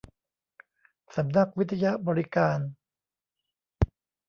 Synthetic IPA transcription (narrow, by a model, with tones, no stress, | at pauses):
sa˩˦mna˦˥k̚wi˦˥t̪ʰa˧ja˦˥ʔbɔː˧ɾi˦kaː˧n